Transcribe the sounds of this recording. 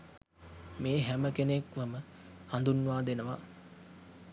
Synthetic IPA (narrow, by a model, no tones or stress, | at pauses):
meːɦæməkenekʋəmə | hand̪unːuʋaːd̪enəʋa